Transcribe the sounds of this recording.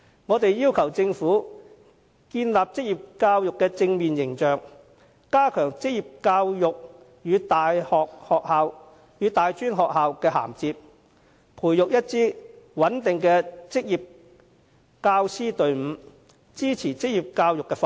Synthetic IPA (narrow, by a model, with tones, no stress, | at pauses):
ŋɔː˨˧t̪e˨jjiː˥wkʰɐ˨˩wt͡sɪ˧ŋfuː˨˥ | kiː˧nlaː˨p̚t͡sɪ˥k̚jiː˨˩p̚kaː˧wjʊ˨kːɛː˧t͡sɪ˧ŋmiː˨njɪ˨˩ŋt͡ʃœː˨ŋ | kaː˥kʰœː˨˩ŋt͡sɪ˥k̚jiː˨p̚kaː˧wjʊ˨k̚ | jyː˨˧t̪aː˨jhɔː˨k̚hɔː˨k̚haː˨˧w | jyː˨˧t̪aː˨jt͡ʃyː˥nɦɔː˨k̚ɦaː˨˧wkɛː˧ɦa̰ː˨˩mt͡siː˧p̚ | pʰuː˨˩jːjʊ˨k̚jɐ˥t̚t͡siː˥wɐ˨˥nt̪ɪ˨ŋkɛː˧t͡sɪ˥k̚jiː˨p̚ | kaː˧wsiː˥t̪ɵ˨ɥm̩ː˨˧˥ | t͡siː˥t͡sʰiː˨˩t͡sɪ˥k̚jiː˨p̚kaː˧wjʊ˨kːɛː˧f